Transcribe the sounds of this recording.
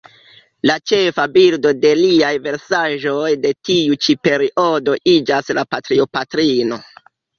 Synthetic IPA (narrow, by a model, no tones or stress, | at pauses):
lat͡ʃe̞fabildo̞de̞liajve̞ɾsaʒo̞jde̞tiut͡ʃipe̞ɾiʔo̞do̞ʔid͡ʒaslapatɾio̞patɾino̞